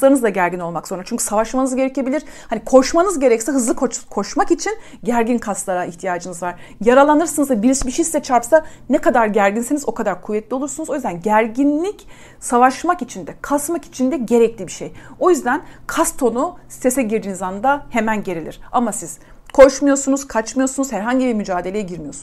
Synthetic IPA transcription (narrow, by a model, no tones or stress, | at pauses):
lˠaɾɯnɯzd̪aɟæɾɟino̞lˠmakz̥oɾat͡ʃyɲcʰy̥savaʃmanɯzɟe̞ɾɛce̞bilʲiɾ̥ | hanikʰo̞ʃmanɯzɟe̞ɾɛcsɛɦɯzlˠɯkʰokʰo̞ʃmakit͡ʃʰin | ɟæɾɟinkʰast̪lˠaɾaiçt̪ʰijaːd͡ʒɯnɯzvaɾ̥ | jaɾalˠanɯɾsanɯzabiɾiʃbiʃisːɛt͡ʃʰaɾpsanɛkad̪aɾɟæɾɟinsenizo̞kʰad̪aɾkʰuvːɛt̪lʲio̞lˠuɾsunuzojyzd̪ænɟæɾɟinlʲic | savaʃmakit͡ʃʰind̪ɛkʰasmaki̥t͡ʃʰind̪ɛɟe̞ɾɛclʲibiʃejo̞jyzd̪ænkʰast̪ʰo̞nuse̞sɛɟiɾd̪iːnizand̪ahe̞mænɟe̞ɾelʲiɾ̥amasiz̥ | kʰo̞ʃmɯjo̞sunuz̥kʰat͡ʃmɯjo̞sunuzhæɾɦaɲɟibiɾmyd͡ʒaːd̪e̞lʲeɛɟiɾmijo̞snz